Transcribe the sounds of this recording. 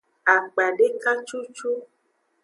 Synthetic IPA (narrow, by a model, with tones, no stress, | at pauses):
a˨k͡pa˨ɖe˦ka˦t͡ʃu˦t͡ʃu˦